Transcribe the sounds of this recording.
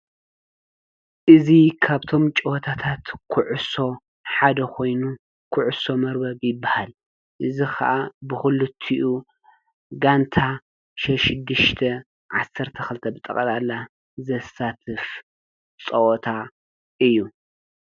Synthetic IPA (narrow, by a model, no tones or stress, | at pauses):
ʔɨzikʰaβt̪ʰo̞mt͡ʃʼɨwɔt̪ʰat̪ʰat̪kʰʊʕʊso̞ | ħad̪ɐkʰo̞jnu | kʰʊʕʊso̞mɐɾbɐβjɪbːahal | ʔɨzixʰɐ̰ʔabɨxɨlɨt̪ʰːiʔu | ɡant̪ʰa | ʃɐʃɪd̪ːɨʃt̪ʰɐ | ʕasːɐɾt̪ʰɐxɨlt̪ʰɐbɨt̪ʼɐ̰kʼɐlalːa | zɐsat̪ʰɨf | t͡sʼɐwɔt̪ʰa | ʔɨjːu